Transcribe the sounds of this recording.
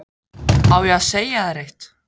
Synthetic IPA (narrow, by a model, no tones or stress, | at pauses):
aːwjɛaseːjaðaɾejht̪